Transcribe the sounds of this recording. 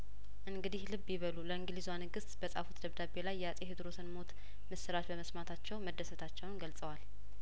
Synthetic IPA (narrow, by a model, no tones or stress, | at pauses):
ʔɨŋɡɨd̪ihlɨβːjiβəluləɨŋɡɨlizwanɨɡɨst̪bəsʼa̰fut̪d̪əβd̪abe̞lajːɛasʼeɦɨd̪ɾo̞sɨnmo̞t̪ | mɨsɨɾat͡ʃbəməsmat̪ʰat͡ʃːɛwməd̪ːəsət̪ʰat͡ʃːɛwnɡəlsʼəwal